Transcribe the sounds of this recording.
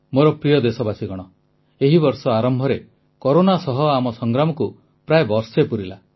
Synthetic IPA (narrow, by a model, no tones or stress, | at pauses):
moɾɔpɾijɔd̪esɔbasiɡɔɽ̃ɔ | eɦibɔɾsɔaɾɔmbʱɔɾe | koɾonasɔɦɔamɔsɔŋɡɾamɔku | pɾaebɔɾsepuɾila̰